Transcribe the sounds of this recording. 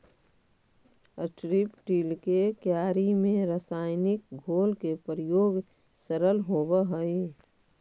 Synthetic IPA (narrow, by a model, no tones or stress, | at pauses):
əʈɾipʈiːlkekjaːɾimẽɾəsaːɪnɪk̚ɡʱoːlkepɾɪjoːɡ | səɾəlɦobəɦəi